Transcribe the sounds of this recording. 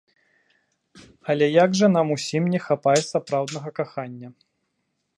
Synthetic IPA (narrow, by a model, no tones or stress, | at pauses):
ɐlʲɛjaɡʐɐn̪amusʲimnʲɛxapajɛsapɾawd̪nɐɣɐkaxanʲːɐ